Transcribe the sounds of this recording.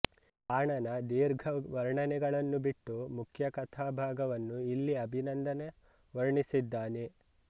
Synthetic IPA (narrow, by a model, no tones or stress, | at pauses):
aːɳɐnɐd̪iːɾɡʱɐʋɐɾɳɐnɛɡɐɭɐnːubiʈːumukʰjɐkɐt̪ʰaːbʱaːɡɐʋɐnːuilːiɐbʱinɐnd̪ɐne | ʋɐɾɳisid̪ːaːne